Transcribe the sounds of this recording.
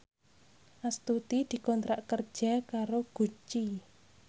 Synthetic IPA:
ʔast̪ut̪id̪̥i̤kɔnt̪ɾaʔkər̥ʒ̥akaɾoɡ̥ṳt͡ʃi

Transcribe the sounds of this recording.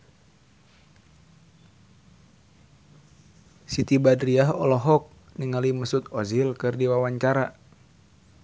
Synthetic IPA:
sit̪ibadɾiaɦɔlɔɦɔk̚niŋaliməsut̪ɔzilkɨrdiwawaɲt͡ʃaɾa

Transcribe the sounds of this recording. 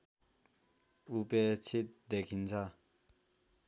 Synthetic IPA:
upɛːt͡ɕʰed̪ɛkʰint͡sʰa

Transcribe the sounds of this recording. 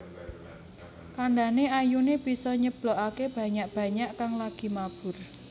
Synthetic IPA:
kaɳɖaneajuneb̥i̤sɔɲəb̥loɔʔakeb̥ä̤ɲaʔb̥ä̤ɲaʔkaŋlaɡ̥i̤mab̥ʊ̤r

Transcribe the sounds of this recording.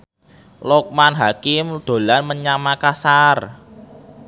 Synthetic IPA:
lɔk̚manɦakɪmd̪̥o̤lanməɲamakasar

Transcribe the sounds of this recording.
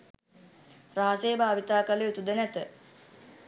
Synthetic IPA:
raːasejbʱaːʋit̪aːkaleut̪ud̪ənæt̪ə

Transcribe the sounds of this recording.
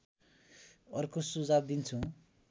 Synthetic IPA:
ʌrkosud͡zab̚d̪int͡sʰũ

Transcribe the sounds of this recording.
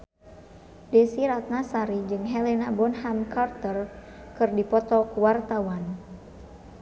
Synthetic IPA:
dɛsiɾat̪̚nasaɾid͡ʒɨŋɦɛlɛnabɔnhamkart̪ərkɨrdipɔt̪ɔkuwart̪awan

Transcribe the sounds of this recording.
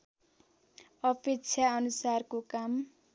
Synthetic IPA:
ʌpek̚t͡sʰjaʌnusarkokam

